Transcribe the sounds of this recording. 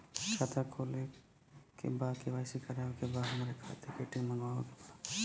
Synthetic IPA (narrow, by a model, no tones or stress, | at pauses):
t͡ʃʰaːt̪akʰole | kḛbaːkeʋaːɪsikɐɾaõkebaɦɐmɾekʰat̪epeːʈĩməŋɡaõke̥bad̪